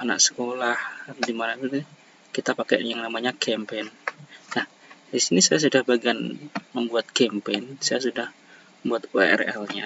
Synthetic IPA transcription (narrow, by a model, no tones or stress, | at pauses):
ana̰k̚sə̥kolahdimanait̪ut̪u | kit̪apakɛ̰ʔjaŋnamaɲakɛmpennah | disinisajas̬udahbaɡanməmbuat̪̚kɛmpensajasudah | əmbuat̪ṵʔɛ̰rɛ̰lɲa̰